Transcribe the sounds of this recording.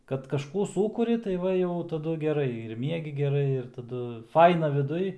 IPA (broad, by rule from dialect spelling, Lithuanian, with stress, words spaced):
kɐt kɐʃˈkuː ˈsuːkʊrʲɪ tɐɪ ˈʋɐ jɛʊ tɐˈdʊ ɡʲɛˈrɐɪ ɪr ˈmʲiɛɡʲɪ ɡʲɛˈrɐɪ ɪr tɐˈdʊ ˈfɐɪnɐ ʋʲɪˈdʊj